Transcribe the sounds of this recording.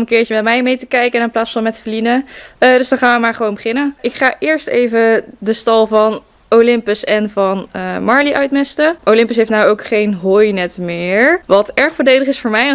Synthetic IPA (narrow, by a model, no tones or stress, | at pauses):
mənkɪːɹt͡ʃəmɛtmɛjmejtəkɛjkənɪnplaːtsfɑnmɛtfəlinədɵzdɑnχaːnʋəmaːɹχəʋownmbəχɪnənʔɪkχaːʔɪːɹstejvədəstɑlˠvɑn | olɪmpəsɛnvɑnəmɑɹliʔœɥtmɛstəʔowlɪmpəs̬ɦejftnawowkχejnɦojnɛtmɪːɹʋɑtɛɹχfolˠdejdəχɪsfʊːɹmɛj